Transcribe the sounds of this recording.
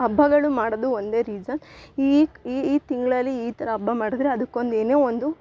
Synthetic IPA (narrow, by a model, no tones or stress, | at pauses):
ɐbʱːɐɡɐɭumaːɽod̪uond̪e̞ːɾiːd͡ʒɐniiːt̪iŋɡɐɭɐlːiːt̪ɐɾɐːbʱːɐmaːɽid̪ɾeɐd̪ɐkːo̞nd̪eːne̞ːond̪u